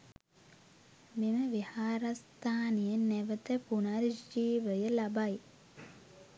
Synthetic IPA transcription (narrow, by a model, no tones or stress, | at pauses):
miməʋihaːɾast̪aːnijənɛʋət̪əpunaɾd͡ʒiːʋəjəlɐbaj